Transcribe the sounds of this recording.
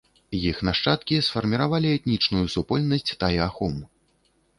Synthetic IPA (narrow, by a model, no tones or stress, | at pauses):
jixnaʂt͡ʂat̪kʲisfɐrmʲiɾavalʲiɛt̪nʲit͡ʂnujusupɔlʲnɐsʲt͡sʲt̪ajaxum